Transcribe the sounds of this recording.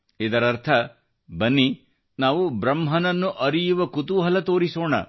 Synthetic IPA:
id̪ɐɾɐɾt̪ʰɐ | bɐnːi | naːʋubɾɐmɦɐnɐnːuʔɐɾijuʋɐkut̪uɦɐlɐt̪oːɾisoːɳɐ̰

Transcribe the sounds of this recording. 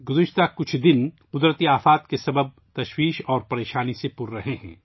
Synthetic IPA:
ɡʊzəʃt̪akʊt͡ʃʰd̪ɪn | qʊd̪ɾət̪iaːfaːt̪kesɐbəb̚t̪ɐʃwiːʃɔːɾpɐɾeːʃaːnisepʊɾːɐɦeɦɛ̰̃ː

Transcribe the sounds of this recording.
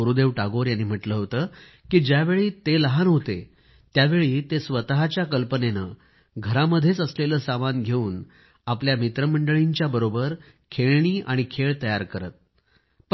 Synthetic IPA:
oɾud̪eʋʈaɡoɾjanːiːm̤əʈləɦot̪əː | kiːd͡ʑjaʋeɭiːt̪eləɦanɦot̪e | t̪jaʋeɭiːt̪esʋət̪aɦat͡ɕjakəlpənenə | ɡʱəɾaməd̪ʱjet͡səsleləːsamanɡʱeuːn | apljamit̪ɾəməɳɖəɭiɲt͡ɕjabəɾobəɾ | kʰeɭɳ̃iːʔaɽ̃ikʰeɭt̪əjaɾkəɾə̰t̪̚ | pə

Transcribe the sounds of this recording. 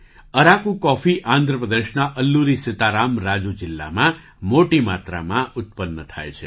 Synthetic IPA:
əɾakũkɔfiʔãnd̪ʱɾəpɾəd̪eʃnaʔəlːuɾisɪt̪aɾamɾad͡ʒud͡ʒɪlːa̰mã | moʈimat̪ɾa̰mãʊt̪̚pənːət̪ʰa̰jt͡ʃʰe

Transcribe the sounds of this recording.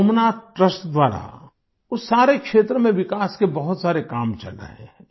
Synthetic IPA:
omnaːʈɾəsʈd̪waːɾa̰ | ʊsːaːɾekʃeːt̪ɾəmẽʋɪkaːskebɐɦʊt̪saːɾekaːmt͡ʃɐ̰lə̰ɦɛ̰̃

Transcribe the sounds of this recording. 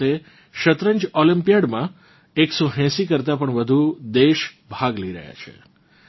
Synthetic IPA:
e | ʃət̪ɾəɲd͡ʒɔlĩmpijaɖmã | eksoɦɛ̃sikəɾt̪apəɳʋəd̪ʱud̪eʃbʱaɡləiɾə̰ɦja̰t͡ʃʰḛ

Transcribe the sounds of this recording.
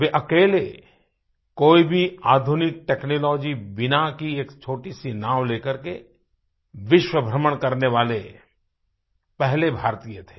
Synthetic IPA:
ʋeʔɐkeːle | koːibʱiaːd̪ʱʊnɪk̚ʈeːknoːlɔːd͡ʒiʋɪnakieːkt͡ʃʰoːʈisinaːʋleːkəɾke | ʋɪʃwəbʱɾəməɽ̃kɐɾneʋaːle | pɛɦlebʱaːɾt̪ijət̪ʰe̥ː

